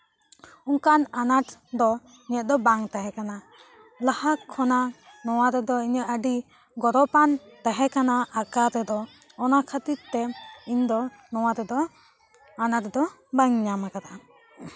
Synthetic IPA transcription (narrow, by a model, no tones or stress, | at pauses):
uŋkananaʈd̪ɔ | iɲət̪̚d̪ɔbaŋt̪aɦɛkana | lahakʰːɔna | nɔwaɾɛd̪ɔiɲəʔəɖi | ɡɔɾɔpant̪aɦɛkanaakaɾɛd̪ɔː | nakʰət̪iɾt̪ɛiɲd̪ɔ | nɔwaɾɛd̪ɔ | anaʈd̪ɔbaŋɲamakana